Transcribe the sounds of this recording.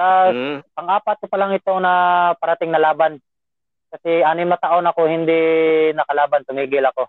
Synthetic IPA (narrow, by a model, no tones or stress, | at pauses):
aɐŋʔaːpat̪̚kopɐlaŋɪt̪o̞ŋnɐpɐɾɐt̪ɪŋnɐlaːban | kɐsɛʔanɪnmɐt̪aʔonɐko̞hɪnd̪ɪnɐkɐlaːbant̪ʊmiːɡɪlɐko̞